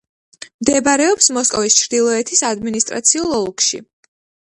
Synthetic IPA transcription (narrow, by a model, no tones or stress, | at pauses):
md̪ɛbaɾɛɔpsmɔskʼɔvist͡ʃʰɾd̪ilˠɔɛt̪ʰisad̪minist̪ʼɾa̰t̪sʰiulˠɔlˠkʃḭ